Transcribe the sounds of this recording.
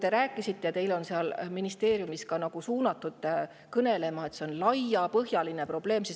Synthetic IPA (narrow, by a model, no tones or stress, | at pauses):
t̪e̞ɾæːkˑːisit̪ːe̞jɑt̪e̞jlo̞nseɑlminist̪e̞ːɾjumiskɑnɑɡ̥usuːnɑt̪ːˑud̪̥ | kɤne̞le̞mɑe̞t̪se̞o̞nlɑjːɑpɤɦjɑline̞pro̞b̥le̞ːmsis